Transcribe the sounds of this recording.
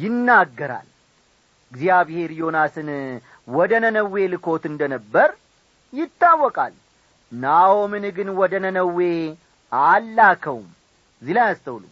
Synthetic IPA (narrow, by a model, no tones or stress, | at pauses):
jɪnːaɡːəɾa̰l | ɨɡzijaβhe̞ɾjo̞nasɨn | wɔd̪ənənəwːe̞lɨkʰo̞t̪ɨnd̪ənəbːəɾ | jɪt̪ːawːɔkʼa̰l | nawomɨnɡɨnwɔd̪ənənəwːe̞ | alːakʰəwum | zilajast̪ʰəwlṵm